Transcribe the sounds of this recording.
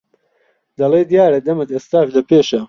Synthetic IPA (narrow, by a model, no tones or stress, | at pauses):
d̪ɐleːd̪ijaːɾɐd̪ɐmɨt̪eːst̪aːʃlɐpʰeːʃɐ